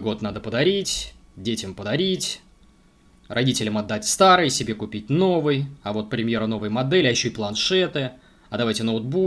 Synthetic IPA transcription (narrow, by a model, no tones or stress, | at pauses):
ɡo̞t̪nad̪əpəd̪ɐɾʲitʲ | dʲetʲɪmpəd̪ɐɾʲitʲ | rʔɐdʲitʲɪlʲəmɐd̪ːatʲst̪aɾɨjsʲɪbʲe̞kʊpʲit̚ʲno̞vɨjɐvo̞t̪̚pɾʲɪmʲje̞ɾəno̞vəjmɐd̪ɛlʲɪɐjɪɕːoɪplˠɐnʂɛt̪ɨ | ɐd̪ɐvajtʲɪnəʊt̪̚bu